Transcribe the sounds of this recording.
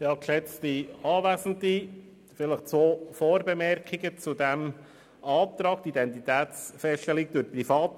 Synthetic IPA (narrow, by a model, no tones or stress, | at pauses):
jɑːkʃɛt͡stiɑːvæzən̩t̪i | fɪləχt͡sʋoːfoːɾbɛmɛɾkiɡət͡sudɛm | ɑːpt̪ɾɑːkt̪idɛnt̪it̪ɛːtt͡sfɛsʃtɛlɪk̚d̥ʊɾprifɑːt̪